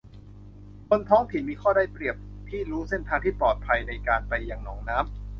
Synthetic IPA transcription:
kʰo˧nt̪ʰɔː˦˥ŋt̪ʰi˨˩˦nmiː˧kʰɔː˥˩daː˥˩jpɾi˨˩əp̚t̪ʰiː˥˩ɾuː˦˥se˥˩nt̪ʰaː˧ŋt̪ʰiː˥˩pɔː˨˩t̪̚pʰa˧jna˧jkaː˧npa˧jːaː˨˩ŋnɔː˩˦ŋnaː˦˥m

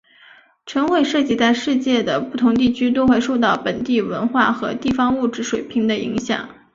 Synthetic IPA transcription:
ʈ͡ʂʰɤ˧˥ŋxwe˥˩ɪʂɤ˥˧t͡ɕi˥˧t͡sa˥˧ɪʂɻ̩˥˧t͡ɕjɛ˥˩d̪ə˩pu˥˩t̪ʰʊ˧˥ŋt̪̬i˥˩t͡ɕʰy˥t̪̬o˥ʊxwe˥˧ɪʂo˥˧ʊt̪ɑ˥˩ʊpə˨˩nt̪i˥˩wə˧˥nxwa˥˩xɤ˧˥t̪i˥˩fɑ˥ŋu˥˩ʈ͡ʂɻ̩˧˥ʂwe˨˩ɪpʰi˧˥ŋd̪ə˧ḭ˧˥ŋɕjɑ̰˨˩˦ŋ

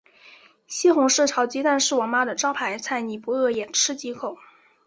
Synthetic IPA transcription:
ɕi˥xʊ˧˥ŋʂɻ̩˥˩ʈ͡ʂʰɑ˧˥ʊt͡ɕi˧˥t̪a˥˧nʂɻ̩˥˩wɔ˨˩ŋma˥d̪ə˨ʈ͡ʂɑ˥ʊpʰa˧˥ɪt͡sʰa˥˩ɪni˨˩pu˧˥ɤ˥˩jɛ˨˩nʈ͡ʂʰɻ̩˥t͡ɕi˧˥kʰo˨˩˦ʊ

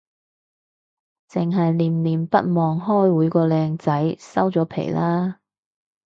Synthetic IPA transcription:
t͡sɪ˨ŋɦɐ˨jliː˨˩mliː˨˩mpɐ˥t̚mɔː˨ŋɦɔː˥jwuː˨˧jkɔː˧lɛː˧ŋt͡sɐ˨˥jsɐ˥wt͡sɔː˨˥pʰḛ˨˩jlaː˥

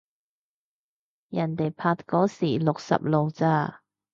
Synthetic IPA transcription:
jɐ˨˩nt̪e˨jpʰaː˧t̚kɔː˨˥siː˨˩lʊ˨k̚sɐ̰˨p̚lo˨wt͡saː˧

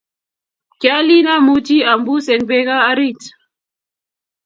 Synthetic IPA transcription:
kja˦li˦na˦mu˦ti˦a˨mbu˦sɛ˨ŋbɛ˦kaː˦ɾi˦˨t

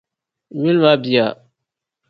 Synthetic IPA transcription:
ɲi˦lma˦bi˨ja˨

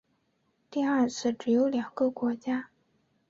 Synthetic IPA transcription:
t̪i˥˧ɐ˞˥˧t͡sʰɹ̩˥˩ʈ͡ʂɻ̩˨˩jo˧˥ʊljɑ˨˩ŋɡə˧kwɔ˧˥t͡ɕja˥

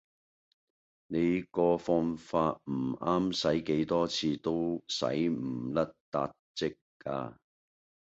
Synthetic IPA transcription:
ne˨˧jkɔː˧fɔː˧ŋfaː˧t̚m̩˨˩aː˥msɐ˨˥jke˨˥jt̪ɔː˥t͡sʰiː˧t̪o˥wsɐ̰˨˥jm̩˨˩lɐ˥t̚t̪a̰ː˧t̚t͡sɪ˥k̚kːa̰ː˧

